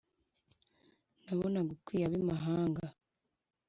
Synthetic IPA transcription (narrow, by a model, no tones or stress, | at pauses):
naβonaɡukwiːjaβimaɦaːŋɡa